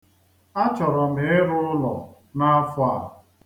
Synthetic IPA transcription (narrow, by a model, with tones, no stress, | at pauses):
a˦t͡ʃɔ˨ɾɔ˨mɪ˨˦ɾʊ˦ʊ˦lɔ̰˨ | na˦a˦fʊ˦a˦˨